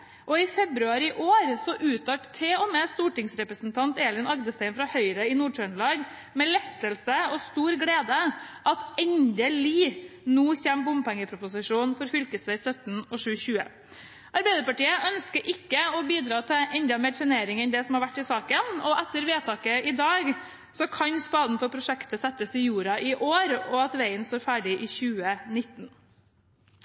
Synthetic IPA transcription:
ʔɔɪfɛbɾʉɑɾɪʔoːɾsɔʔʉːt̪ʰɑʈt̪ʰeːɔmeːst̪uːʈɪŋsɾɛpɾəsn̩t̪ʰɑnt̪eːlɪnɑɡd̪əst̪æɪnfɾɑhœʏɾəɪnuːɖʂœɳlɑːɡ | mɛlɛt̪ːəlsəɔst̪uːɾɡɽeːd̪əʔɑt̪ɛnd̪əliːnuːçɛmbʊmpæŋːəpʰɾʊpʊsɪʂuːnfɔɾfʏlkəsʋæɪsœt̪n̩ɔʂʉːçʉːə̰ | ʔɑɾbæɪd̪əɾpɑʈiːəʔœnskəɾʔɪkːəɔbiːd̪ɾɑːt̪ʰɪɛnd̪ɑmeːɾt̪ʰɾɛneːɾɪŋɛnd̪ɛsɔmhɑɾʋæʈːɪsɑːkənɔʔɛt̪ːəɾʋeːt̪ʰɑːkəɪd̪ɑːɡ | sɔkʰɑnspɑːd̪n̩fɔɾpʰɾʊʂɛkt̪əsɛt̪ːəsɪjuːɾɑʔɪʔoːɾɔɑt̪ʋæɪənst̪oːɾfæːɖɪʔɪçʉːənɪt̪ːn̩

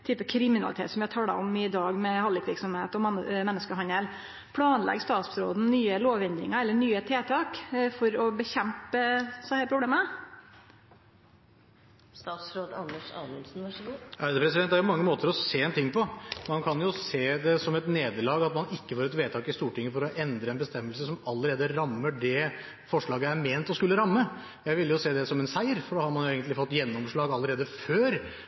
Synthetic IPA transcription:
t̪ʰyːpəkʰɾɪmɪnɑlɪt̪ḛːt̪sɔmjæɑt̪ʰɑːlɑ̰ɔmɪd̪ɑːɡmɛhɑlːɪkʋɪɾksɔmheːt̪ɔmmɛnːəskəɦɑnəl | pʰlɑːnlɛ̰ɡst̪ɑːt̪sɾo̰ːd̪n̩nyːəloːʋɛnd̪ɾɪ̰ŋɑɾɛlːəɳyːət̪ʰeːt̪ʰɑːkfɔɾɔbəçɛmpəsɛhæːɾpʰɾʊbleːmə | st̪ɑːt̪sɾoːd̪ɑ̰nːəʂɑ̰nəlsn̩ʋɑʂɡuæɾd̪əpʰɾɛs̬ɪd̪ɛnd̪æɾjʊmɑŋːəmoːt̪əɾɔseːɛnt̪ʰɪŋːpɔmɑnkʰɑnjʊseːd̪ɛsɔmɛt̪neːd̪əɭɑːɡɑt̪mɑnɪkːəfoːɾɛt̪ʋeːt̪ʰɑːkɪst̪uːʈɪŋːəfɔɾɔʔɛnd̪ɾəɛnbəst̪ɛmːəlsəsɔmɑlːəɾeːd̪əɾɑmːəɖɛ | fɔʂɭɑːɡəæɾmeːnt̪ɔskʉlːəɾɑmːə | jæɪʋɪlːjʊseːd̪ɛsɔmɛnsæɪəɾfɔɖɑːhɑɾmɑnjʊeɡənt̪lɪfɔt̪ːjɛnːɔmʂɭɑːɡɑlːəɾeːd̪əføːɾ

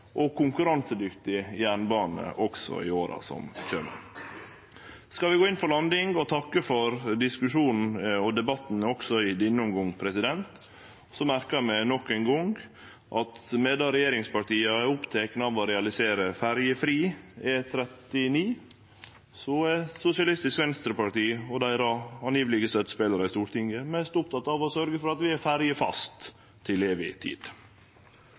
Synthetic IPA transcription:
ʔɔkʰʊŋkʉɾɑnsəd̪ʏkt̪ɪjæːɳbɑːnə̰ʔɔksɔ̰ɪ̰oːɾɑ̰sɔ̰mçø̰ːmə̰ | skɑlʋɪɡoːɪnfɔɭɑnd̪ɪŋɡɔt̪ʰɑkːəfɔɾd̪ɪskʉʂuːnn̩ɔd̪ɛbɑt̪n̩ɔksɔɪd̪ɪnːʊmɡɔŋpʰɾɛsɪd̪ɛnt̪ | sɔmæɾkəɾmɛnɔkːæŋɡɔŋɡ | ʔɑt̪meːd̪ɑɾɛjeːɾɪŋspɑʈiːɑɛʊpt̪ʰeːknɑʋɔɾɛɑlɪseːɾəfæɾjəfɾiːɛt̪ʰɾɛt̪ɪniː | sɔɛsʊsɪɑlɪst̪ɪskʋɛnst̪ɾəpɑʈiːɔd̪æɪɾɑɑnjiːʋəlɪɡəsœt̪ːspeːləɾəɪst̪uːɾʈ̪ɪŋəmɛst̪ʊp̚t̪ʰɑt̪ːɑʋɔsœɾɡəfɔɾɑt̪ʋɪæɾfæɾjəfɑ̰st̪ʰː | ɪleːʋɪ̰t̪ʰḭːd̪̥

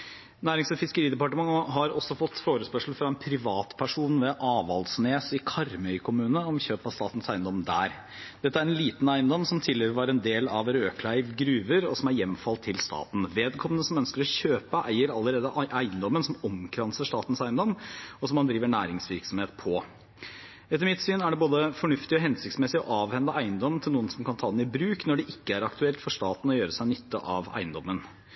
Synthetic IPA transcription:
næːɾɪŋsɔfɪskəɾiːd̪ɛpɑʈəmɑŋəɦɑɾɔsːɔfɔt̪ːfoːɾəspœʂl̩fɾɑɛnpʰɾɪʋɑːt̪pʰæʂuːnʋɛʔɑːʋɑlsneːsɪkʰɑɾmœʏkʰʊmʉːnəɔmçøːpɑst̪ɑ̰ːt̪n̩sæɪnd̪ɔmd̪æ̰ːɾ | d̪̥ɛt̪ːəæɾɛnliːt̪n̩æɪənd̪ɔmsɔmt̪ʰɪlːəʋɑɾɛnd̪eːlɑ̰ʋɾøːkʰlæɪʋɡɾʉːʋəɾɔsɔmæɾjɛmːfɑlt̪ʰːɪlst̪ɑ̰ːt̪n̩ʋeːd̪kʰɔmːənəsɔmœnskəɾɔɕøːpəʔæɪəɾɑlːəɾeːd̪əʔʔæɪənd̪ɔmːənsɔmɔmkʰɾɑnsəʂt̪ɑːt̪n̩sæɪənd̪ɔmːɔsɔmːɑnd̪ɾiːʋəɳæːɾɪŋsʋɪɾksɔmheːt̪̚pʰɔ | ɛt̪ːəɾmɪt̪syːnæɖɛboːd̪əfɔɳʉft̪ɪɔɦɛnsɪkt̪smɛsɪɔ̰ʔɑːʋhɛnd̪əʔæɪənd̪ɔmənt̪ʰɪluːənsɔmkʰɑnt̪ʰɑːd̪ɛnɪbɾʉːknɔɖɛʔɪkːəæɾɑkt̪ʉɛlt̪fɔʂt̪ɑːt̪n̩ɔjøːɾəsæɪnʏt̪ʰːə̰ʔɑʋæ̰ɪənd̪ɔmːən

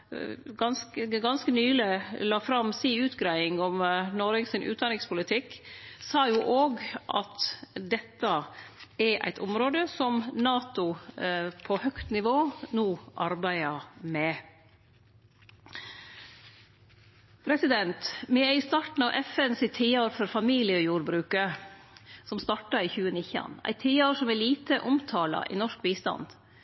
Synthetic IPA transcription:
ɡɑnskəɡɑnskənyːləlɑːfɾɑmsiːʉːt̪ɡɾæɪɪŋɔmnoɾɪŋsɪnʔʉ̰ːd̪ɑnɪŋspʊlɪt̪ʰɪkːsɑːjuːʔoːɡʔɑ̰t̪d̪ɛt̪ːəɛɾʔæ̰ɪt̪ʰʊmɾoːd̪əsɔmnɑːt̪ʊ | pʰɔhœkt̪nɪʋoːnuːʔɑɾbæɪɑmɛ | pʰɾɛsɪd̪ɛnt̪mɛɪst̪ɑːʈn̩ɑʋʔɛfɛnsɪt̪ʰiːoːɾfɔɾfɑmiːlɪjəɔjuːɾbɾʉːkə | sɔmst̪ɑʈɑiçʉːənɪçɑ̰næ̰ɪt̪ʰiːoːɾʂɔmɛliːt̪əʔʊmt̪ʰɑːlɑ̰ʔḭnɔʂkbiːst̪ɑ̰nd̪̥

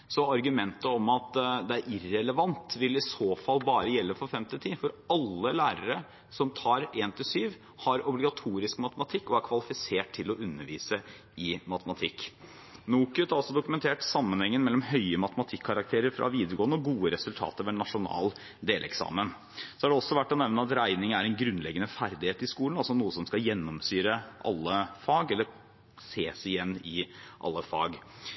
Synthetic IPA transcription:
sɔɑɾɡʉmɛnt̪əɔmɑt̪d̪ɛæɾʔɪrɛləʋɑnt̪ʋɪlɪsoːfɑlːbɑːɾəjɛlːəfɔɾfɛmt̪ɪt̪ʰiːfɔɾɑlːəlæːɾəɾə | sɔmt̪ʰɑːɾeːnt̪ʰɪlsyːʋ | hɑɾɔblɪɡɑt̪ʰuːɾɪskmɑt̪əmɑt̪ʰɪkːɔæɾkʰʋɑlɪfɪseːʈtʰːɪlɔʔʉnːəɾʋḭːsə | ɪmɑt̪əmɑt̪ʰɪkː | nuːkʉt̪ɑlsɔd̪ʊkʉmɛnt̪ʰeːʈsɑmːənhɛŋːənmɛlːɔmhœʏəmɑt̪əmɑt̪ʰɪkʰːɑɾɑk̚t̪ʰeːɾəɾfɾʔɑ̰ʋiːd̪əɾɡoːənəɔɡuːəɾɛsʉlt̪ʰɑ̰ːt̪əɾʋɛnɑʂʊnɑ̰ːl | d̪eːlʔɛ̰ksɑ̰ːmən | sɔæɖɛɔsːɔʋæʈːɔnɛʋnəɑt̪ɾæɪnɪŋəæɾɛnɡɾʉnlɛɡːənəfæɾd̪ɪheːt̪ɪskuːlənɑlsɔnuːəsɔmskɑjɛnːɔmsyːɾəʔɑ̰lːəfɑːɡɛlːəɾ | seːsɪjɛnːɪʔɑ̰lːəfɑ̰ːɡ

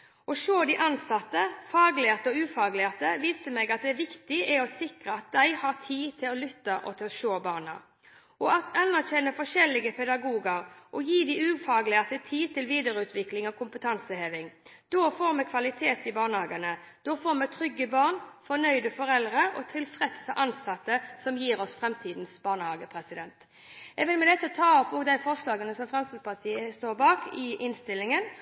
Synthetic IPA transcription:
ɔʃoːd̪ɪʔɑnsɑt̪ːəfɑːɡlɪəʁt̪əɔʉːfɑːɡlɪəʁt̪əʋiːst̪əmɛɡɑt̪̚d̪ɛʋɪkt̪ɪɛɔsɪkʁəɑt̪̚d̪æɪhɑːʁt̪ʰiːt̪ʰɪlɔlʏt̪ːəʔɔ̰t̪ʰɪlɔʃoːbɑːʁnə̰ | ʔɔɑt̪ʰɑnːæʁçɛnːəfɔʃɛlːɪɡəpʰɛd̪ɑɡuːɡəɾʔɔjiːd̪ɪʉːfɑːɡlɪəʁt̪ət̪ʰiːt̪ʰɪlʋiːd̪əɾʉːt̪ʰʋɪklɪŋɔkʰʊmpət̪ʰɑnsəheːʋɪŋd̪̥oːfoːɾmɛkʰʋɑlɪt̪ʰeːt̪ɪbɑːnəhɑːɡənə | d̪̥ɔːfoːmɛt̪ʰɾʏɡːəbɑːʁnfɔnœʏd̪əfɔɾɛlʁəɔ̰t̪ʰɪlfʁɛd̪səʔɑnsɑt̪ːəsɔmjiːɾɔsfʁɛmt̪ʰiːd̪n̩sbɑːnəhɑːɡəpʰɾɛsɪd̪ɛnt̪ | ɛɡʋɪlmɛd̪ɛt̪ːət̪ʰɑːɔpːoːd̪æɪfɔʁslɑːɡənəsɔmfʁɛmsəspɑt̪ʰiːəst̪oːɾbɑːkɪʔɪnst̪ɪlːɪŋən

